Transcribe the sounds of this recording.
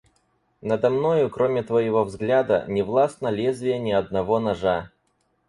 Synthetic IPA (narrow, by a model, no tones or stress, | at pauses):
nəd̪ɐmnojʊkɾomʲɪt̪vɐjɪvo̞vzɡlʲad̪ə̰nʲɪvlˠasnɐlʲezʲvʲɪjənʲɪɐd̪̚nɐvo̞nɐʐa